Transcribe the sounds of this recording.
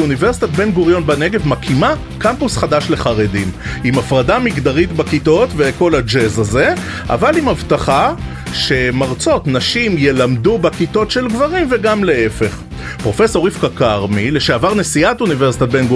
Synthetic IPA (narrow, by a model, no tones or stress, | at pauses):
univeʁsi̥t̪at̪be̞nɡuʁjo̞nbane̞ɡevmakʰima | kampusχadaʃle̞χaʁedimimafʁadamiɡd̪aʁit̪bakito̞t̪ve̞ko̞lad͡ʒezaze̞ | ʔa̰valimavt̪aχa | ʃe̞maʁt͡so̞tnaʃimje̞lamdubekito̞tʃe̞lɡvaʁimve̞ɡamle̞efe̞χ | pʁo̞fe̞so̞ʁifkakaʁmile̞ʃeavaʁnesiatunive̞ʁsi̥t̪at̚benɡu